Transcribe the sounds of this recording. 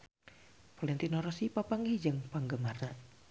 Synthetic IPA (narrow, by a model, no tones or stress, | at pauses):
palɛnt̪inɔɾɔsipapaŋid͡ʒəŋpaŋɡəmarna